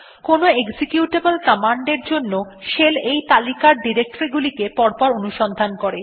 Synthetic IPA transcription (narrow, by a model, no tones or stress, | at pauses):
konoeɡsekjuʈebəlkɔmaɳɖeɾd͡ʑonːoʃelejt̪alikaɾɖiɾek̚ʈoɾiɡulikepɔɾpɔɾonuʃɔnd̪ʱankɔɾe